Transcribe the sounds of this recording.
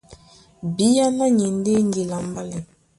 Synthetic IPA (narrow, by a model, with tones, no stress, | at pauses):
bi˦ja˦na˦ɲi˨n˦de˦ŋ˦ɡi˨la˨m˦ba˦lɛ˨